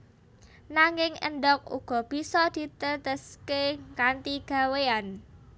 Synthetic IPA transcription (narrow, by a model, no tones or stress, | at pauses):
naŋɪŋə̰nd̪ɔk̚ṵɡ̥ɔ̤b̥i̤sɔd̪̥i̤t̪ət̪əskekant̪iɡ̥a̤wean